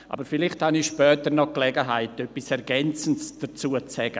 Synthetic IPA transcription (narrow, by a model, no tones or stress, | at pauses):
ʔa̰bəɾfɪlɪχthaniʃpœːtənɔklɛɡəɦaɪtœpːɪsɛɾɡɛnt͡sən̩sd̥ət͡suːət͡sɛɡ̥ə